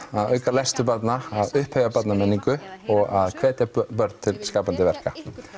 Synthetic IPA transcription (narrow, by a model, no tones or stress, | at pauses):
aðœːɥkalɛjst̪ʏp̬at̪naaðʏhphœːɥvapat̪namɛnːiŋkʏɔɣaðkʰvɛːt̪japœɾt̪̚t̪ʰɪlskaːpant̪ɪvɛr̥ka